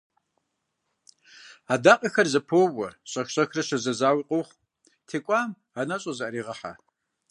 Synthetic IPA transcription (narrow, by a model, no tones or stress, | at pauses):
aːdaːqʼɐxɐrzɐpʰoːwɐɕʼɐxɕʼɐxrɐɕɐzɐzaːwiqʼowχ | tʰeːkʷʼaːm | aːnɐɕʼozaɾiːʁɐħa̰